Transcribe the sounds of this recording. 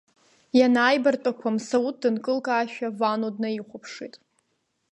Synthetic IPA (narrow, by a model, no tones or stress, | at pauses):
janaːjbartʷʼakʷʰamsaut̚ʰdɨnkʼɨlkʼaːʃᶣavanodnaiχʷʊpʰʂitʼ